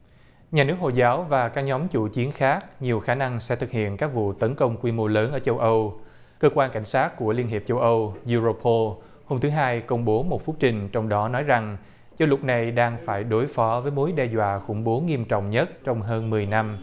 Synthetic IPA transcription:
ɲaː˨˩nɨ˦˥ək̚ho̰˧˨jzaː˨˦wvaː˨˩kaː˦˥k̚ɲɔ˨˦mt͡ɕṵ˧˩t͡ɕi˨˦ənxaː˦˥k̚ɲi˨˩əwxaː˧˩na˧ŋsɛ̰˧˥t̪ʰɨ˨˩k̚hḭ˧˨ənkaː˦˥k̚vṵ˧˨t̪ə˨˦nkə˧wŋ͡mkwi˧mo˧ləː˨˦nʔəː˧˩t͡ɕə˧wʔə˧w | kəː˧kwaː˧nka˧˩jŋ̟saː˦˥t̚ku˧˩əli˧nɦe˨˩p̚t͡ɕə˧wʔə˧wzu˧zo˧pʰo˧l | ho˧mt̪ʰɨ˨˦ɦaː˧jkə˧wŋ͡mɓo˨˦mo˨˩t̚fʊ˦˥t̚t͡ɕï˨˩ŋ̟t͡ɕɔ˧wŋ͡mɗɔ˨˦nɔ˨˦jza˨˩ŋ | t͡ɕə˨˦wlʊ˨˩t̚na˨˩jɗaː˧ŋfaː˧˩jɗo˨˦jfɔ˨˦vəː˨˦jmo˨˦jɗɛ˧zwa̰ː˧˨xʊ̰˧˩ŋ͡mɓo˨˦ŋi˧əmt͡ɕɔ̰˧˨wŋ͡mɲə˦˥t̚t͡ɕɔ˧wŋ͡mɦəː˧nmɨ˨˩əjna˧m

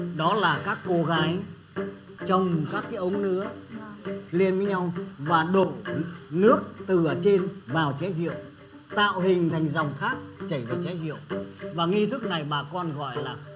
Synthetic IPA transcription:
ɗɔ˨˦laː˨˩kaː˦˥kːo˧ɣaː˨˦j | t͡ɕɔ˧wŋ͡mkaː˦˥kːaː˨˦jʔə˨˦wŋ͡mnɨ̰˧˥ə | li˧ənvəː˨˦jɲa˧wvaː˨˩ɗo̰˧˨nɨ˦˥ək̚t̪ɨ˨˩ə˨˩t͡ɕe˧nvaː˨˩wt͡ɕɛ˨˦zḭ˧˨əw | t̪a̰ː˧˨whï˨˩ŋ̟t̪ʰa˨˩jŋ̟zɔ˨˩wŋ͡mxaː˦˥k̚t͡ɕə˧˩jvaː˨˩wt͡ɕɛ˨˦jzḭ˧˨əwvaː˨˩ŋi˧t̪ʰɨ˦˥k̚na˨˩jɓaː˨˩kɔ˧nɣɔ̰˧˨jlaː˨˩

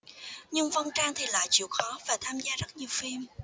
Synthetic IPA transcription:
ɲɨ˧ŋvə˧nt͡ɕaː˧ŋt̪ʰi˨˩la̰ː˧˨jt͡ɕḭ˧˨wxɔ˨˦vaː˨˩t̪ʰaː˧mzaː˧zə˦˥t̚ɲi˨˩əwfi˧m

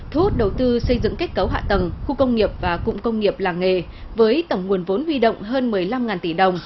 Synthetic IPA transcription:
t̪ʰu˨˦˥t̚ɗə˨˩wt̪ɨ˧sə˧jzɨ̰˧˨ŋka˦˥t̚kə˨˦wɦa̰ː˧˨t̪ə˨˩ŋxu˧kə˧wŋ͡mŋi˨˩əp̚vaː˨˩kʊ̰˧˨ŋ͡mkə˧wŋ͡mŋi˨˩əp̚laː˨˩ŋŋe˨˩ | vəː˨˦jt̪ə˧˩wŋ͡mŋu˨˩ənvo˨˦nhwi˧ɗo̰˧˨wŋ͡mɦəː˧nmɨ˨˩əjla˧mŋaː˨˩nt̪i˧˩ɗə˨˩wŋ͡m

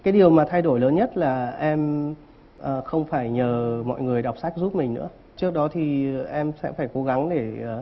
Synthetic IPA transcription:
kaː˨˦jɗi˨˩əwmaː˨˩t̪ʰa˧jɗo˧˩jləː˨˦nɲə˦˥t̚laː˨˩ʔɛ˧m | ʔəː˨˩xə˧wŋ͡mfaː˧˩jɲəː˨˩mɔ̰˧˨jŋɨ˨˩əjɗa˨˩wk͡p̚sa˦˥k̚zu˦˥p̚mï˨˩ŋ̟nɨ̰˧˥ə | t͡ɕɨ˦˥ək̚ɗɔ˨˦t̪ʰi˨˩ʔɛ˧msɛ̰˧˥faː˧˩jko˨˦ɣa˨˦ŋɗe˧˩˨

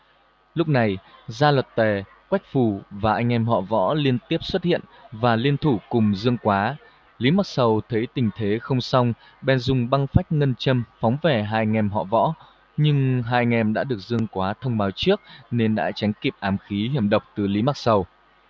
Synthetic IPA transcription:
lʊ˦˥k͡p̚na˨˩jzaː˧lwə˨˩t̚t̪we˨˩ | kwa˦˥jk̟̚fu˨˩vaː˨˩ʔa˧jŋ̟ʔɛ˧mɦɔ̰˧˨vɔ̰˧˥li˧ənt̪i˦˥əp̚swə˦˥t̚hḭ˧˨ənvaː˨˩li˧ənt̪ʰu˧˩kʊ˨˩ŋ͡mzɨ˧əŋkwaː˨˦ | li˨˦maː˨˩k̚sə˨˩wt̪ʰə˨˦jt̪ï˨˩ŋ̟t̪ʰe˨˦xə˧wŋ͡msa˧wŋ͡m | ɓɛ˨˩nzʊ˨˩ŋ͡mɓa˧ŋfa˦˥jk̟̚ŋə˧nt͡ɕə˧mfɔ˨˦wŋ͡mve˨˩ɦaː˧jŋɛ˧mɦɔ̰˧˨vɔ̰˧˥ | ɲɨ˧ŋɦaː˧jŋɛ˧mɗa̰ː˧˥ɗɨ˨˩ək̚zɨ˧əŋkwaː˨˦t̪ʰə˧wŋ͡mɓaː˨˦wt͡ɕɨ˦˥ək̚ne˧nɗa̰ː˧˥t͡ɕa˨˦jŋ̟ki˨˩p̚ʔaː˨˦mxi˨˦hi˧˩əmɗə˨˩wk͡p̚t̪ɨ˨˩li˨˦ma˨˩sə˨˩w

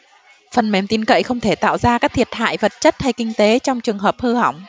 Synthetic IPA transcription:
fə˨˩nme˨˩mt̪i˧nkə̰˧˨jxə˧wŋ͡mt̪ʰe˧˩t̪a̰ː˧˨wzaː˧kaː˦˥k̚t̪ʰi˨˩ət̚ha̰ː˧˨jvə˨˩t̚t͡ɕə˦˥t̚ha˧jkï˧ŋ̟t̪e˨˦t͡ɕɔ˧wŋ͡mt͡ɕɨ˨˩əŋɦəː˨˩p̚hɨ˧ha̰˧˩wŋ͡m

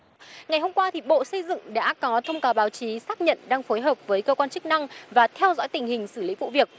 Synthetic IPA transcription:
ŋa˨˩jɦo˧ŋ͡mkwaː˧t̪ʰi˨˩ɓo̰˧˨sə˧jzɨ̰˧˨ŋɗa̰ː˧˥kɔ˨˦t̪ʰə˧wŋ͡mkaː˨˩wɓaː˨˦wt͡ɕi˨˦saː˦˥k̚ɲə̰˧˨nɗaː˧ŋfo˨˦jɦəː˨˩p̚vəː˨˦jkəː˧kwaː˧nt͡ɕɨ˦˥k̚na˧ŋvaː˨˩t̪ʰɛ˧wzɔ̰˧˥jt̪ï˨˩ŋ̟hï˨˩ŋ̟sɨ˧˩lḭ˨˦vṵ˧˨vi˨˩ək̚

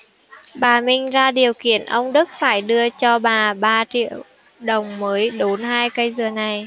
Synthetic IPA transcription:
ɓaː˨˩mï˧ŋ̟zaː˧ɗi˨˩əwkḭ˧˨ənʔə˧wŋ͡mɗɨ˦˥k̚faː˧˩jɗɨ˧ət͡ɕɔ˧ɓaː˨˩ɓaː˧t͡ɕḭ˧˨əw | ɗə˨˩wŋ͡mməː˨˦jɗo˨˦nhaː˧jkə˧jzɨ˨˩əna˨˩j

